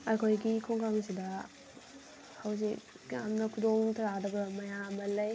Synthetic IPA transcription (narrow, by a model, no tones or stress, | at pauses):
ɐjkʰojɡikʰoŋkamɐsidɐ | hawz̬ik | ɡa̰mnɐkʰudoŋtʰɐɾadɐɡɐmɐjamɐlɐj